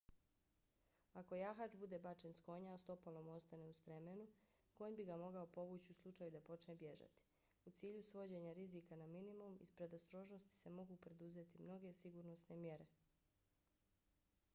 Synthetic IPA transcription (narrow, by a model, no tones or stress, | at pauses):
ako̞jaxat͡ʃbud̪e̞bat͡ʃe̞nsko̞ɲaost̪o̞palˠo̞mo̞st̪ane̞ust̪ɾemenu | ɡ̥oːɲbiɡamo̞ɡaopo̞ʋuːt͡ɕiuslˠut͡ʃajud̪apo̞t͡ʃne̞bje̞ʒa̰t̪i̥ | ut̪siːʎusʋo̞d͡ʑe̞ɲaɾiziːkanaminimumḭspɾe̞d̪ost̪ɾo̞ːʒno̞st̪i̥se̞mo̞ɡupɾe̞d̪uze̞t̪imno̞ɡe̞siɡuɾnosne̞mje̞ɾe̞